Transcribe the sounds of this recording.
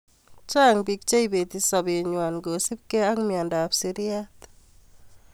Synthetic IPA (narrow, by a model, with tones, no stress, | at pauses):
t͡ʃa˦ŋbi˨k̚t͡ʃe˦ibe˨t̪i˨sɔ˨bɪ˨ɲwa˨nɡo˨si˦p̚ke˦a˦ŋmja˨nda˨psi˨ɾi˦a˦t